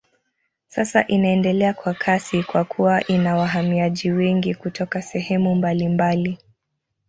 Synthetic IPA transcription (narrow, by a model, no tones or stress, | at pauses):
sasaʔinaɛndɛlɛakwakʰasikwakʰuwaʔinawaɦamiaʄiwɛŋɡikutʰɔkasɛhɛmumbalimbali